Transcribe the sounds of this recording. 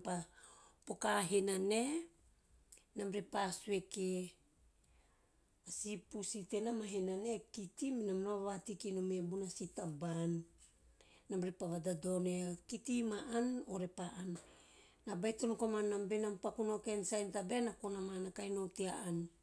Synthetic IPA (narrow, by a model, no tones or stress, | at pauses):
papo̞kaɦenane̞ | namɾepasueke | asipusitenamaɦenane̞kitiminamnoβatikinomebunasitabanː | amɾepaβadado̞nekitimaʔanoɾe̞paʔanː | abajtonkomanːambenampakunokensajntabenakonamanakajnotiaʔan